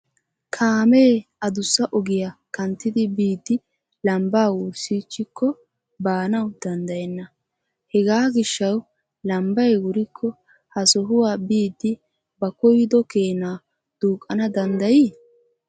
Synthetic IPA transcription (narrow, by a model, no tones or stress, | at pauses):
kʰaːmeːɐd̪ʊsːɐʔɔɡɪjakɐnt̪ːɪd̪ɪbiːd̪ːɪ | lɐmbaːwʊɾsiːt͡ʃːɪkʰːɔ | baːnɐwd̪̥ɐnd̪ɐjɛnːɐ | hɛɡaːɡɪʃːɐw | lɐmbɐjwʊɾɪkʰːɔ | hɐsɔɦʊwaːbiːd̪ːɪ | bɐkɔjɪd̪ɔkeːnaː | d̪̥uːkʼːɐnɐd̪ɐnd̪ɐji